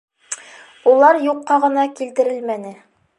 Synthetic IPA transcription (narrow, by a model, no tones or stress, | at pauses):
ulˠɑɾjuqːɑʁɤ̆nɑkilt̪ɘ̆ɾɘlmænɘ